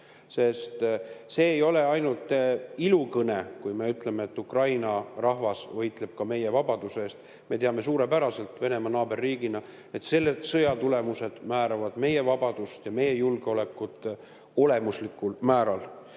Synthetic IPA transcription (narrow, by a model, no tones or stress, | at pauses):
se̞st̪se̞ːjo̞le̞ɑjnult̪ːˑilukɤne̞kujme̞yt̪ˑle̞meːt̪ːukrɑjnɑrɑhvɑsvɤjt̪le̞b̥̚kɑme̞je̞vɑbɑd̪̥useeːst̪ | me̞t̪eɑme̞suːɾe̞pæɾɑse̞lt̪ve̞ne̞mɑnɑːbe̞rːiːɡ̥inɑ | e̞t̪se̞lːet̪sɤjɑt̪ule̞muse̞d̪̥mæːɾɑvɑd̪̥me̞je̞vɑb̥ɑd̪̥ust̪jɑme̞jejulɡ̥eo̞le̞kːˑut̪ˑː | o̞le̞muslikːˑulmæːɾɑl